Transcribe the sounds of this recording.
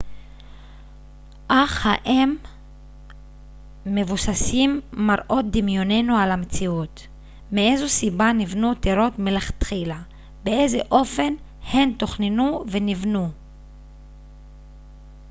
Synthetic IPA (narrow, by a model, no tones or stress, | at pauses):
ʔaχhaʔem | e̞vusasimːaɾʔo̞t̚d̪imjo̞ne̞nualamet͡siut̪ | meezusibanivnut̪eɾo̞t̪meleχat̪χila | bee̞ze̞ʔo̞fe̞n | he̞nto̞χnenuve̞nivnu